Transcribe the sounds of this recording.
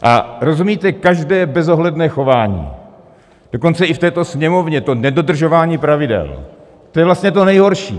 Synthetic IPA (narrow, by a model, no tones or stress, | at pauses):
ʔa̰ɾo̞zumiːt̪ɛkaʒdɛːbɛzoɦlɛdnɛːxo̞vaːɲḭː | d̥o̞ko̞nt͡sɛʔɪft̪ɛːt̪o̞sɲɛmo̞vɲɛt̪o̞nɛdo̞dr̩ʒo̞vaːɲiːpɾavɪdɛ̰l | t̪ojɛvlast̪ɲɛt̪̬o̞nɛjɦo̞ɾʃḭː